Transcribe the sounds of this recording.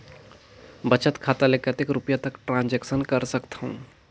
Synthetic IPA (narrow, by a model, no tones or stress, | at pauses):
bət͡ʃət̪kʰaːt̪alekət̪ɪkɾʊpjat̪ɐkʈɾãːnd͡ʒɛːksənkɐɾsəkt̪aɦṵ̃ː